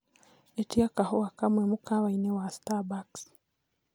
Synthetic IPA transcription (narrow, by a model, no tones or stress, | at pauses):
etiakahowakamwemukawainewastabaks